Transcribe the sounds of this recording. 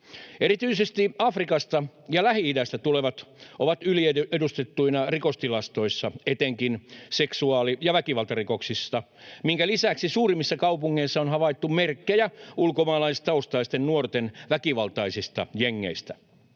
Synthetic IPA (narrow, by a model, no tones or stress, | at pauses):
eɾit̪yisest̪iɑfrikɑst̪ɑjɑlæhiidæst̪æt̪uleʋɑt̪ʔoʋɑt̪ylieedust̪et̪ːuinɑrikost̪ilɑst̪o̞isːɑet̪eŋkinseksuɑːlijɑʋækiʋɑlt̪ɑriko̞ksisːɑ | miŋkælisæksisuːrimːisːɑkɑupuŋːeisːɑonhɑʋɑit̪ːummerkːejæulkomɑːlɑist̪ɑust̪ɑist̪ennuort̪enʋækiʋɑlt̪ɑisist̪ɑ̰jeŋːḛist̪æ